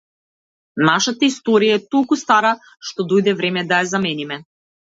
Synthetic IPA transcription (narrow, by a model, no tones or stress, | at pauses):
naʃat̪aist̪ɔɾijaɛt̪olˠkust̪aɾa | ʃt̪ɔd̪ɔjd̪ɛvɾɛmɛd̪ajazamɛnimɛ